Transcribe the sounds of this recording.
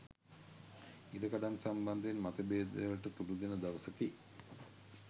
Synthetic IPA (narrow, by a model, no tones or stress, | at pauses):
iɖəkaɖansamband̪enmat̪əbeːd̪ə̰jəlʈət̪ulud̪enəd̪aʋəsəki